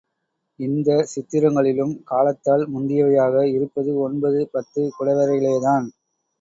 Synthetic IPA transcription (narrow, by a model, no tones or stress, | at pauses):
ɪnd̪ɐsɪt̪ːɪɾɐŋɡɐɭɪlɯmkaːlɐt̪ːaːɭmʊnd̪ɪjɐʋɐjaːɣɐɪɾɯpːɐðɯɔnbɐðɯpɐt̪ːɯkʊɽɐʋɐɾɐɣɐɭeːðaːn